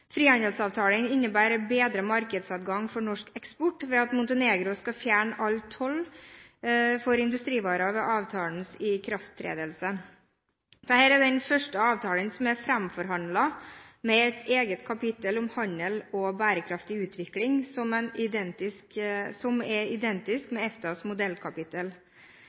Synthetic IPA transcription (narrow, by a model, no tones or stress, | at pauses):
fɾiːɑnəlsɑːʋt̪ʰɑːlənɪnːəbæːɾbeːd̪ɾəmɑɾkəd̪sɑt̪ɡɑŋːfɔɳɔʂkɛkspɔʈːʋɛɑt̪mʊnt̪əneːɡɾʊskɑfjæːɳəʔɑlt̪ʰɔl | fɔɾɪnd̪ʉst̪ɾiːʋɑːɾɑʋɛʔɑːʋt̪ʰɑːln̩sɪkʰɾɑft̪ʰːɾḛːd̪əlsə | d̪əhæːɾɛd̪ɛnfœʂʈəɑːʋt̪ʰɑːlənsɔmæɾfɾæmfɔɾɦɑnd̪lɑmɛɛt̪ʰeːɡət̪kʰɑpɪt̪əlʊmhɑɲəlɔbæːɾəkʰɾɑft̪ɪʉːt̪ʰʋɪklɪŋsɔmɛnɪd̪ɛnt̪ɪsksɔmɛɪd̪ɛnt̪ɪskmɛɛft̪ɑsmʊd̪ɛlkʰɑpɪt̪əl